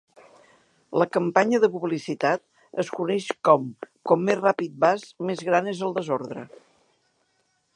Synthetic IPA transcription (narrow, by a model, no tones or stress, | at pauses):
ləkəmpaɲəðəpuβlisit̪at̪̚ | əskunɛʃkɔmkɔmːezrapit̪̚bazmezɣɾanezəlˠd̪əzoɾðɾə̰